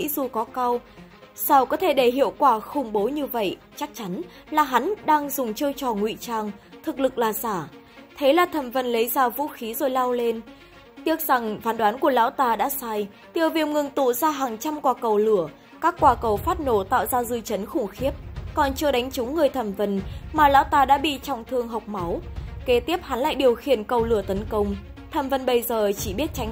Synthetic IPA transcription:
ḭ˧˥zu˨˩kɔ˨˦ka˧w | sa˧˩wkɔ˨˦t̪ʰe˧˩ɗe˧˩ɦḭ˧˨əwkwaː˧˩xʊ˧˩ŋ͡mɓo˨˦ɲɨ˧və̰˧˨j | t͡ɕa˦˥k̚t͡ɕa˨˦n | laː˨˩ɦa˨˦nɗaː˧ŋzʊ˨˩ŋ͡mt͡ɕɨ˧ət͡ɕɔ˧˩ŋwḭ˧˨t͡ɕaː˧˩ŋt̪ʰɨ˨˩k̚lɨ˨˩k̚laː˨˩saː˧˩ | t̪ʰe˨˦laː˨˩t̪ʰə˨˩mvə˧˩nlə˨˦jzaː˧vṵ˧˥xi˨˦zo˨˩jla˧wle˧n | t̪i˦˥ək̚za˨˩ŋvaː˨˦nɗwaː˨˦nku˧˩əla̰ː˧˥wt̪aː˧˩ɗa̰ː˧˥saː˧j | t̪i˨˩əwvi˨˩əwŋɨ˨˧˩ŋt̪ṵ˧˨zaː˧ɦaː˨˩ŋt͡ɕa˧mkwaː˧˩kə˨˩wlɨ˧˩ə | kaː˦˥kːwaː˧˩kə˨˩wfaː˦˥t̚no˧˩t̪a̰ː˧˨wzaː˧zɨ˧˩t͡ɕə˨˦nxʊ˧˩ŋ͡mxi˦˥əp̚kɔ˨˩nt͡ɕɨ˧əɗa˨˦jŋ̟t͡ɕʊ˨˦ŋ͡mŋɨ˨˩əjt̪ʰə˧˩mvə˧˩nmaː˨˩laː˨˦wt̪aː˧˩ɗa̰ː˧˥ɓḭ˧˨t͡ɕɔ˨˧˩wŋ͡mt̪ʰɨ˨˧əŋɦa˨˩wk͡p̚ma˨˦wke˨˦t̪i˦˥əp̚ha˨˦nla̰ː˧˨jɗi˨˩əwxi˧˩ənkə˨˩wlɨ˧˩ət̪ə˨˦nkə˧wŋ͡m | t̪ʰə˨˩mvə˨˧˩nɓə˧jzəː˨˩t͡ɕi˧˩ɓi˦˥ət̚t͡ɕa˨˦

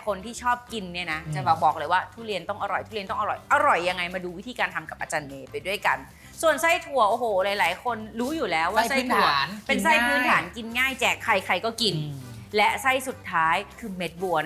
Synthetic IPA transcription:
kʰo˧nt̪ʰiː˥˩t͡ɕʰɔː˥˩p̚ki˧nːi˥˩ɐna˦˥t͡ɕa˨˩ba˧bɔː˨˩k̚lɤː˧jwaː˥˩t̪ʰuː˥˩li˧ənt̪ɔ˥˩ŋʔa˧ɾɔ˨˩jt̪ʰuː˥˩i˧nt̪ɔ˥˩ŋʔa˧ɔ˨˩jʔa˧ɾɔ˨˩jːa˧ŋːa˧jmaː˧duː˧wi˦˥t̪ʰiː˧kaː˧nt̪ʰa˧mka˨˩p̚ʔa˧t͡ɕaː˧nʔeː˧pa˧jdu˥˩əjka˧n | su˨˩ənsa˥˩jt̪ʰu˧˩ɐʔoː˧˩ɦoː˨˩laː˨˦jlaː˨˩˦jkʰo˧nɾuː˦˥juː˨˩lɛː˨˦˥wːaː˥˧˩sa˥˩jt̪ʰpe˧nsa˥˩jpʰɯː˦˥nt̪ʰaː˩˦nki˧nŋaː˥˩jt͡ɕɛː˨˩kʰːa˧jkʰa˧jkɔː˥˩ki˧nlɛ˦˥sa˥˩jsu˨˩t̪ʰːaː˦˥jkʰɯː˧me˦˥t̪̚buː˧ɐn

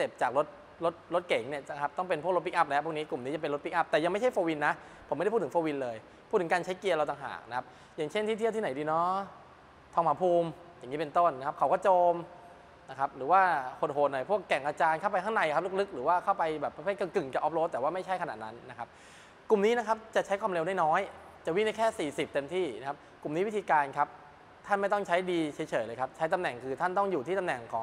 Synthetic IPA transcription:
se˨˩p̚t͡ɕaː˨˩k̚ɾo˦˥t̪̚ | lo˦˥t̪̚lo˦˥t̪̚ke˩˦ŋni˥˩ɐt͡ɕa˧˥kʰa˦˥p̚t̪ɔ˥˩ŋpe˧npʰu˥˩k̚lo˦˥pi˦˥kʔa˦˥p̚lɛ˦˥ʔpʰu˥˩kniː˦˥klu˨˩mni˦˥t͡ɕa˨˩pe˧nl̚pi˦˥k̚ʔa˦˥p̚t̪ɛː˨˩ja˧ŋma˥˩jt͡ɕʰa˥˩jfoː˧wi˧nːa˦˥ʔ | pʰo˨˩˦m˥˩˥p̪ːʰfoː˧wi˧nlɤː˧j | pʰu˥˩t̪ʰːkaː˧nt͡ɕʰa˦˥jki˧əɐɾa˧wt̪a˨˩ŋɦa̰ː˨˩k̚na˦kʰa˦˥p̚ | jaː˨˩ŋt͡ɕʰe˥˩nt̪ʰiː˥˩i˥˩t̪ʰiː˥˩na˨˦jdiː˧nɔ˦˥ | t̪ʰɔː˧maː˨˩˥pʰuː˧m | ja˨˩ŋːiː˦˥pe˧nt̪o˥˩nː˦kʰa˦˥p̚kʰa˦˩wkɔː˥˩t͡ɕoː˧m | na˦˥kʰa˦˥p̚ɾɯː˩˦waː˥˩hʰo˨˩t̚ho˨˩t̪̚nɔ˨˩jpʰu˥˩əkːɛ˨˩ŋʔaː˧t͡ɕaː˧nkʰa˥˩wp̬a˧j̪ʰa˥˩ŋna˧˩jkʰa˦˥p̚lɯ˦˥k̚lɯ˦˥k̚ɾɯː˩˦waː˥˩kʰa˥˩wpa˧jbɛː˨˩pːa˧pʰe˥˩kɯ˨˩kɯ˨˩ŋt͡ɕa˨˩ʔɔː˦˥p̚loː˧˦˥t̪ːɛː˨˩waː˥˩ma˥˩jt͡ɕʰa˥˩jkʰa˧na̰˨˩na˦˥nːa˦˥kʰa˦˥p̚ | ku˨˩mniː˦˥na˦˥kʰa˦˥p̚t͡ɕa˨˩t͡ɕʰa˦˥jkʰwaː˧mle˧wda˥˩jnɔː˦˥j | t͡ɕa˨˩wi˥˩ŋna˧˥jkʰɛː˥˩siː˨˩si˨˩p̚t̪e˧mt̪ʰiː˥˩na˦˥kʰa˦˥p̚ku˨˩mniː˨˦˥wi˦˥t̪ʰiː˧kaː˧nkʰa˦˥p̚ | t̪ʰa˥˩nma˥˩jt̪̬ɔ˥˩ŋt͡ɕʰa˦˥jdiː˧t͡ɕʰaː˨˦jt͡ɕʰɤː˨˩˦jləː˧jkʰa˦˥p̚t͡ɕʰa˦˥jt̪a˧mnɛ˨˩ŋkʰɯː˧t̪ʰa˥˩nt̪ɔ˥˩ŋjuː˨t̪ʰiː˥˩a˧mnɛ˨˩ŋkʰɔː˩˦ŋ

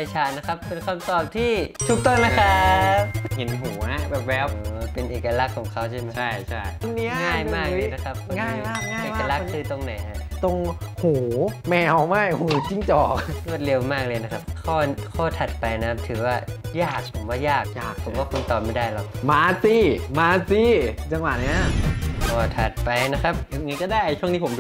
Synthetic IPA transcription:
a˧jt͡ɕʰaː˦˥t̪̚na˦˥kʰa˦˥p̚pe˧nkʰa˧mt̪ɔː˨˩p̚t̪ʰiː˥˩t̪ʰu˦˥k̚t̪o˥˩nːa˦˥kʰa˦˥p̚he˨˩˦nɦuː˩˦na˧˦˥bɛː˨˩p̚wɛː˦˥p̚ɤː˧˦pe˧nʔeː˨˩ka˧la˦˥kʰːɔː˩˦ŋkʰa˦˥wt͡ɕʰa˥˩ma˦t͡ɕʰa˥˩jt͡ɕʰa˥˩j̪ʰo˧ni˦˥ɐŋaː˥˩jmaː˧˥˩kːna˦˥kʰa˦˥p̚kʰu˧˥˩a˥˩i˦˥aː˥˨eː˨˩ka˧la˦˥k̚ʰːɯː˧t̪o˧ŋna˨˩˦a˧˩t̪o˧ŋhuː˩˦mɛː˧wma˥˩jhuː˨˩˦t͡ɕi˥˩ŋt͡ɕɔː˨˩k̚lu˥˩ət̪̚le˧wmaː˥˩k̚lɤː˧jna˦˥kʰa˦˥p̚kʰɔː˥˩kʰɔː˥˩t̪ʰa˨˩t̪̚pa˧jna˦kʰp̚t̪ʰɯː˩˦waː˥˩jaː˥˩k̚pʰo˩˦mwaː˥˩jaː˥˩k̚jaː˥˩kpʰo˨˦waː˥˩kʰu˧nt̪ɔː˨˩p̚ma˥˩da˥˩jlɔ˦˥˩k̚maː˨˧˥siː˧˥˩maː˧siː˧˥˩t͡ɕa˧ŋwa˨˩t̪̚ni˦˥ɐ˥ʔɔː˨˩t̪ʰa˨˩t̪̚pa˧jna˦˥kʰa˦˥p̚ja˨˩ŋa˧˦˥jkɔː˥˩daː˥˩jt͡ɕʰu˥˩ŋni˥pʰo˩˦mdu˧

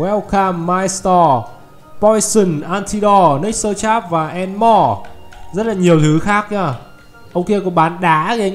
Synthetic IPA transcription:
wɛ˦˥wkaː˧mːaː˧jst̪ɔ˧ | pɔ˧jsə˨˩nʔaː˧nt̪ʰi˧ɗɔ˧nə˦˥k̚səː˧t͡ɕaː˦˥p̚vaː˨˩ʔɛ˧nmɔ˧˩zə˦˥t̚laː˨˩ɲi˨˩əwt̪ʰɨ˨˦xaː˦˥k̚ɲaː˧˩ | ʔə˧wŋ͡mki˧kɔ˨˩˦ɓaː˨˦nɗaː˨˦ɣi˧

